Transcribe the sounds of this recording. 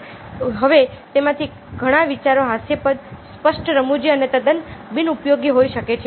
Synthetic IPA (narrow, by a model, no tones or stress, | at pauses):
ɦəʋet̪emãt̪ʰi | ɡʱəɽ̃aʋit͡ʃaɾoɦasjepətspəʃʈɾəmud͡ʒiənet̪əd̪ənbinupjoɡiɦoiʃəket͡ʃʰe